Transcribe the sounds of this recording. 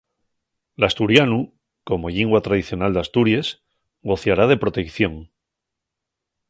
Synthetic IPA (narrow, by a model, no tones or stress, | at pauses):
last̪uɾjanu | ko̞mo̞ʎiŋɡwat̪ɾaðiθjo̞nald̪ast̪uɾjes | ɡo̞θjaɾað̞e̞pɾo̞t̪e̞kθjo̞ŋ